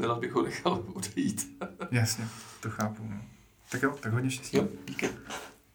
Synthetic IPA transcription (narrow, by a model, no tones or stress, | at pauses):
ɛnazbɪxɦonɛxaludɛjit̪jasɲɛt̪oxaːpunoː | t̪akjowt̪akɡɦo̞dɲɛfʃcɛsɲɟiːkɪ